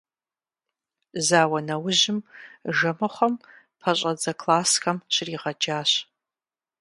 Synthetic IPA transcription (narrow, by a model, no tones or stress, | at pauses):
zaːwɐnɐwʊʑɪmʒɐmɐχʷɔm | pʰɐɕʼɐd͡zɐkʰlaːsxɐmt͡ʃʰɪriːʁɐd͡ʒaːɕ